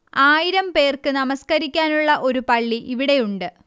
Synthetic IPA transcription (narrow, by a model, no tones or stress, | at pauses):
aːjiɾɐmpe̞ːrkɨnɐmɐskɐɾikʲːaːnuɭːɐʔo̞ɾupɐɭːiʔiʋiɽe̞juɳɖɨ